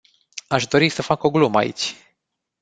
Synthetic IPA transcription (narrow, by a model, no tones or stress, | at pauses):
aʃd̪o̞ɾisəfako̞ɡluməa̰ḭt͡ʃʲ